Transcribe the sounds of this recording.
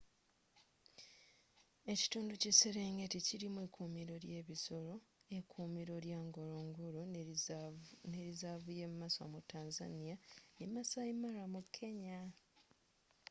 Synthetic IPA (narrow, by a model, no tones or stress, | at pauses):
e̞ci̥tuːnduceseɾe̞ːŋɡe̞ticiɾimuekuːmiɾo̞ɾje̞ːβiso̞ɾo̞e̞kʰuːmiɾo̞ɾjaːŋɡo̞ɾoŋɡuɾo | ne̞ɾizaβuje̞mmasa̰mutːaːnza̰nijanemːasaimaɾamukʰːe̞ɲa